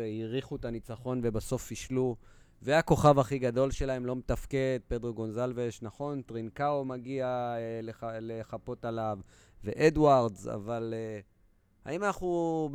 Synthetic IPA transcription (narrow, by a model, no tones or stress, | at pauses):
iʁiχuet̪anit͡saχo̞nve̞baso̞fiʃlu | veako̞χavaχiɡad̪o̞lʃe̞lae̞mlo̞met̪afke̞d̪̚pe̞d̪ʁoɡo̞nzalveʃnaχo̞nt̪ʁinkaomaɡialeleχapo̞t̪alav | ve̞ʔed̪waʁdza̰vale | ha̰imanaχnu